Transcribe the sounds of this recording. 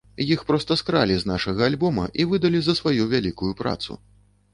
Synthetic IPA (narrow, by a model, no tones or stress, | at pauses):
jixpɾɔst̪ɐskɾalʲiznaʂɐɣɐːlʲbɔmɐ̰ʔivɨd̪ɐlʲizɐsvajuvʲalʲikujupɾa̰t̪sṵ